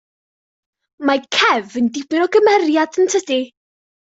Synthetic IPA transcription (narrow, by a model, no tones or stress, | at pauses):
makʰɛvəndɪbɪnɔɡəmɛrjadəntʰəd̥i